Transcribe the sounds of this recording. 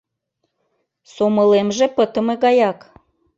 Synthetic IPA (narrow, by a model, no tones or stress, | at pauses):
soməlemʒepət̪ə̆meɣɑjɑk